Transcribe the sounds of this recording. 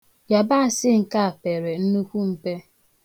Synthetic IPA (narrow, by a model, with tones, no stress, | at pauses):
ja˨ba˦a˨sɪ˦ŋ̩˨ka˦a˨pe˨ɾe˨n̩˦nu˦kʷu˦m̩˨pe˦